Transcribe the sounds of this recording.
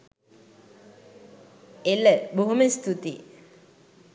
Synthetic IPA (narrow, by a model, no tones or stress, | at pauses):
eləboɦuməst̪ut̪i